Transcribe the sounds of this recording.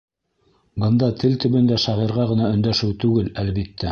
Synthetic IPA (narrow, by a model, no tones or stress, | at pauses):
bɤ̆nd̪ɑt̪ʰɘlt̪ɵ̆βɵ̆nd̪æʃɑʁiɾʁɑʁɤ̆nɑɵ̆nd̪æʃɘwt̪ʉɡɘlælβit̪ːæ